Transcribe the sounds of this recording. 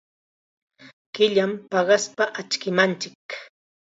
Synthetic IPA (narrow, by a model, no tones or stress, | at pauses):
kɪʎampɑɢɑspaʔat͡ʃkɪmant͡ʃɪk